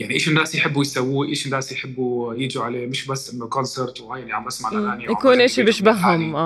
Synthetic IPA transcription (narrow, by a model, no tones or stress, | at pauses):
jaʕniʔeːʃɪnːaːsjħɪbːujsawːiːʔeːʃɪnːaːsjħɪbːujɪd͡ʒiʕaleːmɪʃbasːʔɪnːʊkɔnseɾˤt̪wʔajniʕamʔasmaʕaːnjjakuːnʔɪʃibɪʃbaɦːʊmʔaː